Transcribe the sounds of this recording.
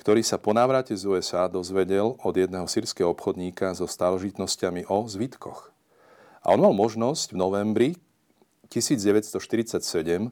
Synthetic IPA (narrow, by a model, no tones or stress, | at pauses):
kt̪ɔɾiːsapɔnaːʋɾacɛzuɛzaːd̪ɔzʋɛɟɛlɔd̪jɛd̪nɛːɦɔsiːɾskɛɦɔɔpxɔd̪ɲiːkazɔst̪aːlɛʒit̪nɔscamiʔɔzʋit̪kʰɔ̰x | a̰ʔɔnmalmɔʒnɔsɟvnɔʋɛmbɾi | cisiːd͡zɟɛʋɛt̪st̪ɔʃt̪iɾit͡sacsɛɟɛm